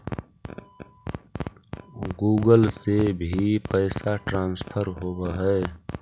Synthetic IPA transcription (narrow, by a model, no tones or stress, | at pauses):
ɡuːɡəlsebʱipəɪsaʈɾãːnspʰəɾɦoːbaɦɛ